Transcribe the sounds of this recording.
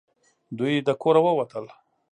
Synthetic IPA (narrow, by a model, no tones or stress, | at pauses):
d̪ujd̪əkoɾawəwat̪əl